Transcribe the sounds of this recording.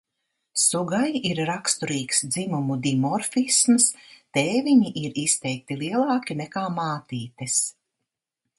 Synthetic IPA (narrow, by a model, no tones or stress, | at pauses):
suɡajiɾɾakst̪uɾiːksd̪zimumud̪imɔɾfismst̪eːviɲiʔiɾist̪ɛjk̚t̪iliɛlˠɑːkʲinɛkaːmaːt̪iːt̪ɛs